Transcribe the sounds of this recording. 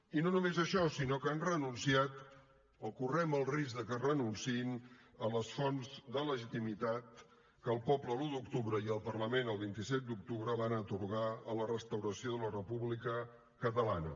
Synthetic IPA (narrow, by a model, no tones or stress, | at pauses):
inonumezəʃɔsinokanrənunsiat̪ | əkurɛməlˠrizðəkərənunsiin | ələsfɔnzd̪ələʒit̪imit̪at̪̚ | kəːlˠpɔpləlud̪ukt̪uβɾəiəlˠpərləmenəlˠβint̪isɛt̪̚d̪uk̚t̪uβɾəβanət̪uɾɣ̞aələrəst̪əwɾəsioðələrəpuβlikə | kət̪əlanə̰